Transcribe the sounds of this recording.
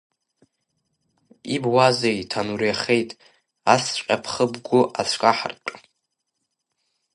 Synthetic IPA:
ibwazejtʰanuɾiaχe̞jtʼ | at͡sʰt͡ʃʷqʲʼapʰχəbɡʷʊʔat͡sʷʰkʼaħa̰rtʼ

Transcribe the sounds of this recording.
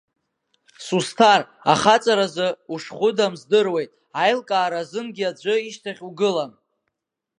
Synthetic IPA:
sustʰar | a̰χat͡sʼaɾazɨuʂχʷʊdamzdɨrwe̞jtʼ | ajlkʼaːɾazɨnɡʲiad͡ʒʷʼɨiʃtʰaχʲuɡɨlam

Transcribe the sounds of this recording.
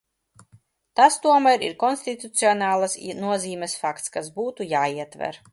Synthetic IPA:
t̪ast̪uɔmæjɾḭɾkɔnsʲt̪it̪ut̪siɔnaːlˠasnuɔziːmʲɛsfakt̪skasbuːt̪ujaːiːɛt̪væ̰ɾ

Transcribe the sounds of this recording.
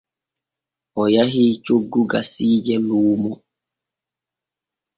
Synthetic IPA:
ɔjaɦit͡ʃoɡːuɡasiːd͡ʒɛluːmɔ

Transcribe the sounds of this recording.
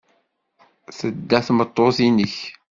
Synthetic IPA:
θəd̪ːæθmət̪ˤːoθinəç

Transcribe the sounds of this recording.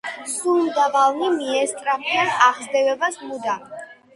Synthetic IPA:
sulmd̪avalˠnimiɛst̪ʼɾapʰianaʁzd̪ɛvɛbasmud̪a

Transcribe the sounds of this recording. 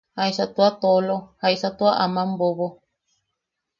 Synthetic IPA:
haisat̪uat̪olohaisat̪uaʔamãmboβo

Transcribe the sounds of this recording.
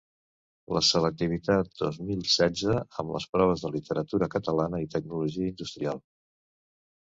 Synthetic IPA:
ləsələk̚t̪iβ̞it̪at̪̚d̪ozmilˠsɛzəəmlə̰spɾɔβ̞əzðəlit̪ʰəɾət̪uɾəkət̪əlanəit̪əɡ̚nuluʒiəind̪ust̪ɾialˠ

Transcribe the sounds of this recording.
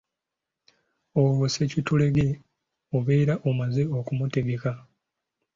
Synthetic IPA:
oβosecitule̞ɡe | oβeiɾaʔomazeokumuteɡeka

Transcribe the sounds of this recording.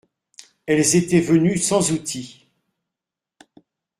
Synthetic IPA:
ɛlzet̪ɛvənysɑ̃zut̪ʰi

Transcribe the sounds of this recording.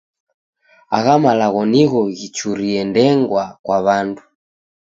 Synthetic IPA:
a̰ɣamalaɣɔniɣɔɣit͡ʃuɾiɛndɛŋɡwakwaβandu

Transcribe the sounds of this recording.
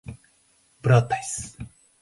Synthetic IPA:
b̥ɾat̪ːajs

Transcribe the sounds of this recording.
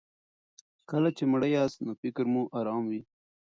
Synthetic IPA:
kəlat͡ʃemɽəjaːsnofɪkɾmuʔaɾɑːmwi

